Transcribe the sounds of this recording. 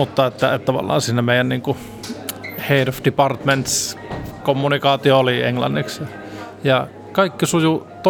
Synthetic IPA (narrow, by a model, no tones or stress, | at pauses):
ut̪ːɑet̪ːæet̪t̪ɑʋɑ̰lːˑɑ̰ːnsiːnːæmeˑijænniːŋku | heˑidofd̥ipɑrt̪ment̪skomːunikɑːt̪iooliḛŋlɑ̰nːiksjɑ | jɑ | kɑˑikːisujut̪o